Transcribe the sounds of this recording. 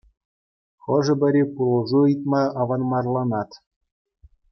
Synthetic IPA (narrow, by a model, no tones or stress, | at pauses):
χɤ̆ʐɤ̆bʲɘ̆ɾʲepulˠɤ̆ʐuit̪mɑɑʋɑnmɑrlˠɑnɑt̪